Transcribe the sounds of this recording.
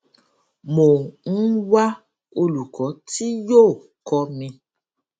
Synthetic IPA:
mo˨ŋ̩˦wa˦ | o˧lu˨kʰɔ˨˦ti˦jo˦˨ | kɔ˧mĩ˧

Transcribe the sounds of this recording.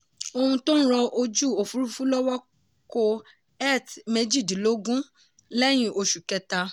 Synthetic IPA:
o˧hũ˧tõ˦n̩˦ɾɔ˧o˧d͡ʒu˦˨o˨fu˨˦ɾu˦fu˦lɔ˦wɔ˦ | ko˧ | ɛ˦˨tme˧˦d͡ʒi˦˨di˨lo˨˦ɡũ˦ | lɛ˦j̃ĩ˦ʔo˧ʃu˨kɛ˧ta˧

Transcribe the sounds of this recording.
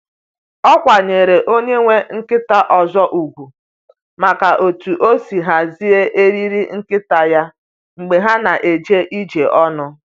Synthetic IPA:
ɔ˦kʷa˨ɲe˨ɾe˨ʔo˦ɲe˦ŋʷe˦ŋ̩˦kɪ˦ta˦ʔɔ˨zɔ˦ʔu˨ɡʷu˨ | ma˨ka˨ʔo˨tu˨ʔo˦si˨ɦa˨zi˦e˦ʔe˦ɾi˦ɾi˦ŋ̩˦kɪ˦ta˨ja˦ | ŋ͡m̩˨ɡ͡be˨ɦa˦na˨ʔe˨d͡ʒe˦ʔi˦d͡ʒe˨ʔɔ˦nʊ˦

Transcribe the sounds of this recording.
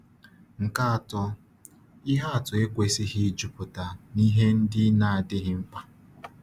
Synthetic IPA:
ŋ̩˨ka˦a˨tʊ˨ | i˦ɦa˦a˨tʊ˨e˦kʷe˨sɪ˦ɦɪ˦d͡ʒʊ˨pʊ˨ta˨ni˦ɦe˦n̩˦dɪ˦na˨a˨dɪ˦ɦɪ˦ŋ͡m̩˦k͡pa˦

